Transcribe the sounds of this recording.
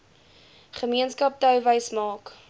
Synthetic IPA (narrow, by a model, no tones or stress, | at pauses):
χəmiənskɐp̚tœwvəjsmɑːk